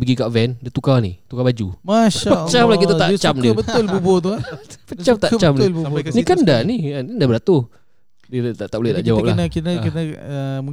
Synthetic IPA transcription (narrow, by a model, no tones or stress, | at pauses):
bəɡikaʔvɛndit̪ukanḭt̪ukabad͡ʒumaʃpət͡ʃamlakit̪at̪aʔt͡ʃamdbət̪olbubot̪̬uapət͡ʃamt̪aʔt͡ʃamnlnikandaninindabəɾat̪u | dit̪aʔt̪aʔletaʔd͡ʒawaap̚ləahnakinakənaəmu